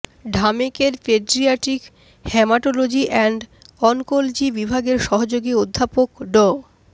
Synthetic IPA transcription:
ɖʱamikeɾpeɖɾiaʈik | hɛmaʈolod͡ʑiʔɛɳɖ | ɔnkold͡ʑibibʱaɡeɾʃɔɦod͡ʑoɡiod̪ʱːapokɖɔ

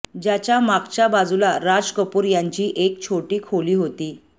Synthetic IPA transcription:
d͡ʑjat͡ɕjamakt͡ɕjabad͡zulaɾad͡zkəpuːɾjaɲt͡ɕiːʔek̚t͡ɕʰoʈiːkʰoliːɦot̪iː

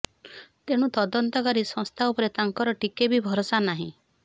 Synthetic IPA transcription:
t̪eɽ̃ũt̪ɔd̪ɔnt̪ɔkaɾisɔ̃st̪ʰaupɔɾet̪aŋkɔɾɔʈikebibʱɔɾosanaɦḭ̃

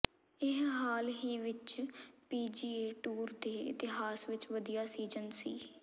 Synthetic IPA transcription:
ɪɦɦaːlɦiːʋɪt͡ʃpiːd͡ʒiːeːʈuːɾd̪eːɪ̰t̪ɪɦaːsʋɪt͡ʃʋəd̪ijaːsiːd͡ʒənsiː

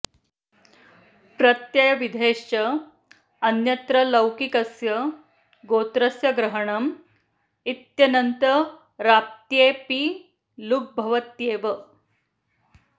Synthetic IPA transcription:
pɾɐt̪jɐjɐʋid̪ʱeːʂt͡ɕɐ | ɐnjɐt̪ɾɐlɐwkikɐsjɐ | ɡot̪ɾɐsjɐɡɾɐɦəɳɐm | it̪jɐnɐnt̪ə | ɾap̚t̪jeːpi | luk̚bʱɐʋɐt̪jeːʋə

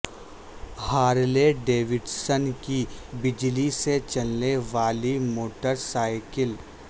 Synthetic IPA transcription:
haːɾleɖeːʋɪɖsənkibɪd͡ʒliset͡ʃɐlneʋaːlimoːʈəɾsaːɪkɪl

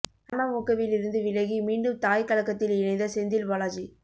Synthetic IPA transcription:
ɐnɐmʊkːɐʋɪlɪɾɯnd̪ɯʋɪɻɐɣimiːɳɖɯmt̪aːjkɐɭɐkːɐt̪ːɪlɪnɐɪnd̪ɐsɛnd̪ɪlʋɐlaːd͡ʒi

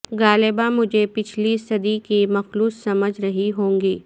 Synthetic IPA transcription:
ɡaːleːbamʊd͡ʒʱepɪt͡ʃʰlisɐd̪ikimɐxluːsːɐməd͡ʒʱɾɐɦiɦõːŋɡiː

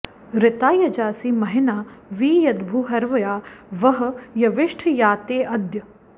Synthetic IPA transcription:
ɾɪt̪aːjɐd͡ʒaːsiːmɐɦɪnaːʋiːjɐd̪bʱuːɦɐɾʋɐjaːʋɐɦɐ̆jɐʋɪʂʈʰjaːt̪eːʔɐd̪jɐ

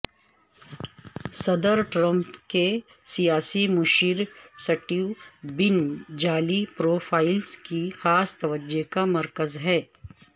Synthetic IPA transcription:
sɐd̪əɾʈɾə̃mpke | sijaːsimʊʃiːɾsɐʈibɪnd͡ʒaːlipɾoːfʰaːɪlskixaːst̪ɐʋəd͡ʒekamɐɾkəzɦɛː

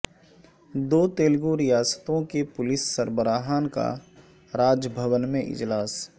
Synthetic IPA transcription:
d̪oːt̪eːlɡuɾɪjaːsə̥t̪õkepʊlɪsːəɾbəɾaːɦaːnka̰ | ɾaːd͡ʒəbʱəwənmẽʔɪ̰d͡ʒlaːs

